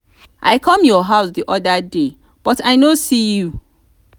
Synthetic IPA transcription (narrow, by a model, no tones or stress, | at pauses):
ʔaɪkʰɔ̃mjɔɦaʊsdiʔɔdade | b̥ɔtaɪnosiju